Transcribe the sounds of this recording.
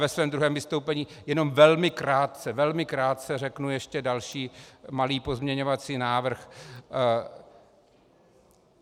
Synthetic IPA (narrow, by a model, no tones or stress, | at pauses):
vɛsvɛːmd̪ɾuɦɛːmvɪst̪owpɛɲiːjɛno̞mvɛlmɪkɾaːt̪t͡sɛvɛlmɪkɾaːt̪̚t͡sɛrɛknujɛʃcɛdalʃiːmaliːpo̞zmɲɛɲovat͡siːnaːvr̩x